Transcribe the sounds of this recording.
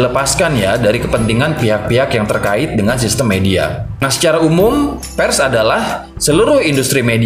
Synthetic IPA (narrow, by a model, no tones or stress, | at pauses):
ləpaskanjadaɾikəpənt̪iŋanpiɦak̚piɦakjaŋt̪ərkaɪt̪̚dəŋansist̪əmːedia̰asə̥t͡ʃaɾaumʊm | pɛrsadalah | səluɾʊhindust̪ɾimedi